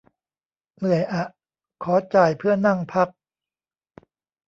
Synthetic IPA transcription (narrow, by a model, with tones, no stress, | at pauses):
nɯ˨˩əjʔa˨˩ʔ | kʰɔː˩˦t͡ɕaː˨˩jpʰɯ˥˩ɐna˥˩ŋpʰa˦˥k̚